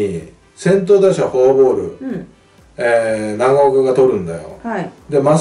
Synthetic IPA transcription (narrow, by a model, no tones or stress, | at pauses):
i | sẽ̞nt̪̬oːd̪aɕahobo̞ːɾɯ̟̰ | enaɡaokaɡat̪o̞ɾɯ̟̃nd̪ajo̞̰d̪e̞mas